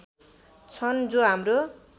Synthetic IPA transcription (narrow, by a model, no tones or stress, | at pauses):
t͡sʰʌnd͡zoɦamro